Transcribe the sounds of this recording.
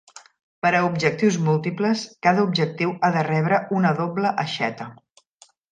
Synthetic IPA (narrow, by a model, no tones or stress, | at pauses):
pəɾəubʒək̚t̪iwzmulˠt̪ipləskaðəubʒək̚t̪iwaðərɛβ̞ɾəunəðobləʔəʃɛt̪ə